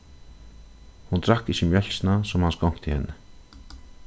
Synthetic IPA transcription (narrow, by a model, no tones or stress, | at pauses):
hunt̪ɾahkːisinjɛlʲsnasɔmhanskɔwŋ̥kt̪ʰɪhɛ̰nːə